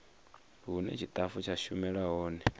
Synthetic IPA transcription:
ɦunɛ̰t͡ʃʰit̪ʼafut͡ʃʰaʃumɛɺaɦɔːnɛ

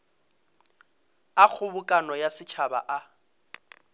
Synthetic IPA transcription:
ak͡xʰʊbʊkʼanɔjasɪt͡ʃʰaba̰ʔa

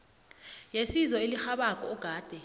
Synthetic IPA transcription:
jesizɔelixaɓakʼɔɡ̥ʱaːd̥ʱɛ

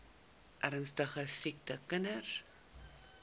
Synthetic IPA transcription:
ʔæɾənstəχəsik̚təkənər

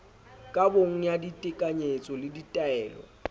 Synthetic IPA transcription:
kʼaboŋ̩jaditʼɪkʼaɲet͡sʼɔlɪditʼaɛːlɔ̰

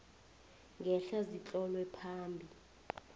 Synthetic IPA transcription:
ŋɡʱɛɬazit͡ɬʼɔlwɛpʰaːmbʱi

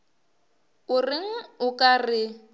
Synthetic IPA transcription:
ʊrɪŋ̩ʊkʼarɪ

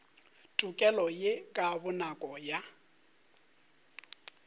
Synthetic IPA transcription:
tʼukʼɛlɔjekʼabʊnakʼɔja

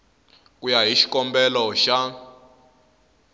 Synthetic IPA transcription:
kʼujaɦiʃi̥kʼɔmbɛlɔʃa

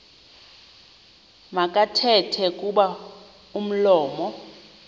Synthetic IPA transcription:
makʼatʰɛtʰɛkʼuɓa | um̩lɔːmɔ

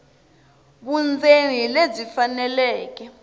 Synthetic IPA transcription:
ɓund͡zʱenilezifanɛlɛːk̬ɛ

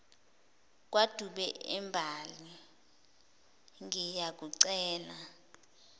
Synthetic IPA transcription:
k̬ʼwad̥ʱuɓɛɛmbʱali | ŋijak̬ʼuǀɛːla

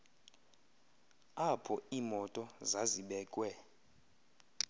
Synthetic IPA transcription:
apʰɔiːmɔtʼɔzaziɓɛːkʼwɛ

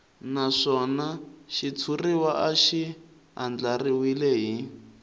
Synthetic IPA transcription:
naʂɔnaʃit͡sʰuriwaʔaʃi | ɦand͡ɮariwileɦi

